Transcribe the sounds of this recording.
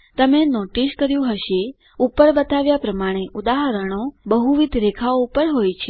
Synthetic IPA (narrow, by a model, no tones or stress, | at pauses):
t̪əmenoʈiskəɾjũɦəʃe | upəɾbət̪aʋjapɾəmaɽ̃eʔud̪aɦəɾəɳ̃obəɦuʋid̪ʱɾekʰaoupəɾɦojt͡ʃʰe